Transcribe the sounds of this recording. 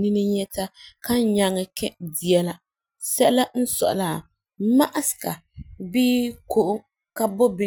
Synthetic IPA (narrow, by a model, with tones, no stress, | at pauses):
ni˦nɨ˦ɲɛ˦ta˦ka˦ɲa˨˦ŋɨ˨kɛ˦di˨ɛ˦la˦ | sɛ˦ʔla˦n̩˦sɔ̰˨ʔʊ̰˨la˨ | ma˦ʔa˦sɨ̥˨ka˨ | biː˦ko˨ʔʊ˦ | ka˦bo˦bɪ˦